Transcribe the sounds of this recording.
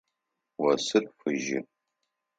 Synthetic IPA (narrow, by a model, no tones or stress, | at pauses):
wɐsɨrʼfɨʒɪ̰